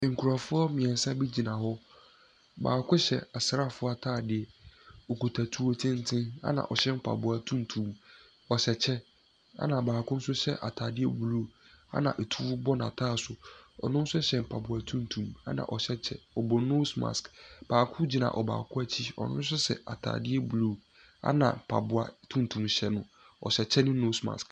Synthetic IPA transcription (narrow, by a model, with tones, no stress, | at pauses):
ŋ̩˨kʰu˨ɾa˨fʊ˦ɔ˦mɪ̃˨ɛ̃˨n˨sa˦bi˦d͡ʑi˨nã˨hɔ˦ | ba̰ː˨kʰʊ˦ɕɛ̰˨a˨sɾa˦fʊ˦ɔ˦a˦˨tʰaː˦˨dɪ˨ɛ˨o˨ko˨tʰa˨tʰu˨o˦tʰɪ̃˦n̩˦tʰɪ̃˦na̰˦nã̰˨ʔɔ˨ɕɛ˦m̩˦pʰa̰˨bʊ˨a˨tʰũ˦n˨tʰũ˨m | ɔ˨ɕɛ˨t͡ɕʰɛ˦ | a̰˦nã˨baː˨kʰʊ̃˦n̩˦sʊ˦ɕɛ˦ʔa̰˨tʰaː˨dɪ˦ɛ˦bu˨ɾu˦a̰˦nã̰˨ʔe˨tʰu˦bɔ˦nã˨tʰaː˦˨sʊ˨ɔ̰˨nʊ̃˦n̩˦sʊ˦ɕɛ˨m˨pʰa˨bʊ˨a˨tʰũ˦n˨tʰũ˨ma̰˦nã̰˨ʔɔ˨ɕɛ˦t͡ɕʰɛ̰˦ɔ˨bɔ˨˦no˦sma̰˨skb̥aː˨kʰʊ̃˦d͡ʑi˨˦nã̰˨ʔɔ˨ba̰ː˨kʰʊ˦æ˦t͡ɕʰi˦ɔ̰˨nʊ̃˦n̩˦s̬ʊ˦sɛ̰˨a̰˨tʰa̰ː˨dɪ˦ɛ˦bu˨lo˦˨ | a̰˦nã˨pʰa̰˨bʊ˨a̰˨tʰũ˦n˨tʰũ˨mɕɛ˨nʊ̃˨ | ɔ̰˨ɕɛ˨t͡ɕʰɛ˦nʊ̃˦no˦sma̰˨sk